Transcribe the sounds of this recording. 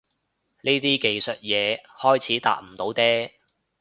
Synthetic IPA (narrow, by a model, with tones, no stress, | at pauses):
niː˥t̪iː˥ke˨jsɵ˨t̚jɛː˨˧hɔː˥jt͡sʰiː˨˥t̪a̰ː˨t̚m̩˨˩t̪o˨˥wt̪ɛː˥